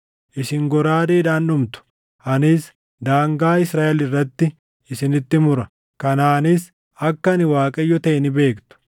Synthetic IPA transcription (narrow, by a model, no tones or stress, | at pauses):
ʔɪsɪŋɡɔɾaːd̪eːᶑaːnːʊmt̪ʊ̥ | ʔɐnɪs | d̪aːŋɡaːɪsɾaːʔɛlɪrːɐt̪ːɪ | ɪsɪnɪt̪ːɪmʊɾɐ | kɐnaːnɪs | ɐkːɐnɪwaːkʼɐjːɔt̪ɐʔɪnɪbe̞ːkt̪ʊ̥